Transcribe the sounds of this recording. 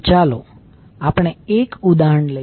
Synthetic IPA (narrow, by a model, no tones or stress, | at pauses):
t͡ʃalo | apəɽ̃eekud̪aɦəɳlə